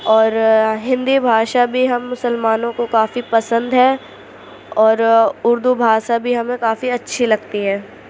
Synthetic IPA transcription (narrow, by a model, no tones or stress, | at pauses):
ɔːɾɦɪ̃nd̪ibʱaːʃabʱiɦɐmːʊsəlmaːnõkokaːfipɐsə̃nd̪ɦɛː | ɔːɾʊɾd̪ubʱaːʃabʱiɦɐmẽkaːfiɐtːʃʰilɐɡt̪iɦɛ̃ː